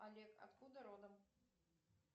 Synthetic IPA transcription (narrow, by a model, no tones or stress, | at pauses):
alʲɛka̰t̪kud̪ɐɾod̪əm